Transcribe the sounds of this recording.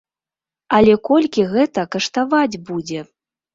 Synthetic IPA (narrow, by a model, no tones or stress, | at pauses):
ɐlʲɛkɔlʲkʲiɣɛt̪ɐkɐʂt̪avad͡zʲbud͡zʲɛ